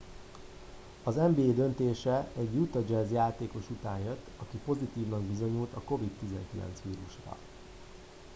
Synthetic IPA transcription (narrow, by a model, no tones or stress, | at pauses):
ɒzɛmbiːd̪ø̞nt̪eːʃɛɛɟjut̪ɒd͡ʒɛzjaːt̪eːko̞ʃut̪aːnjøt̪ːɒkipo̞zit̪iːvnɒɡbizo̞ɲult̪ɒko̞vit̪ːizɛ̰ŋkilɛ̰nt̪sʋiːɾuʃrɒ̰